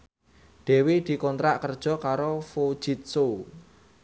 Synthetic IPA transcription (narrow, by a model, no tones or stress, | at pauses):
ɖ̪̥e̤wed̪̥i̤kɔnt̪ɾaʔkərd̥ʒ̥ɔ̤kaɾofod̥ʒ̥it̪̚so